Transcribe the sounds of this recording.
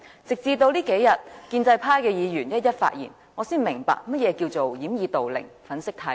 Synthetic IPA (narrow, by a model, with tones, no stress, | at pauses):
t͡sɪ˨k̚t͡siː˧t̪̬o˧wliː˥ke˨˥jɐ˨t̚kiː˧nt͡sɐ˧jpʰaː˥jkɛː˧jiː˨˧jyː˨˩njɐ˥t̚jɐ˥t̚fa̰ː˧t̚jḭː˨˩n | ŋɔ˨˧siː˥nmɪ˨˩ŋpa̰ː˧k̚mɐ˥t̚jɛː˨˧kiː˧wt͡so˨wjiː˨˥mjiː˨˧t̪o˨wlɪ̰˨˩ŋfɐ˨˥nsɪ˥k̚t̪ʰaː˧